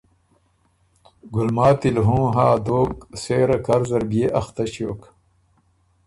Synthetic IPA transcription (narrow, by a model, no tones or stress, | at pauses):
ɡulmaːt̪ilɦũːɦaːd̪oːkseːɾɐkɐɾzɐɾbeːʔɐxt̪ɐɕijoːk